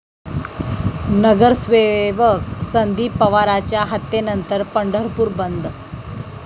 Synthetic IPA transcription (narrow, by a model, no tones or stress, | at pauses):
nəɡəɾsʋeʋəksənd̪iːpːəʋaɾat͡ɕjaɦət̪ːenənt̪əɾpəɳɖəɾpuːɾbənd̪ʱ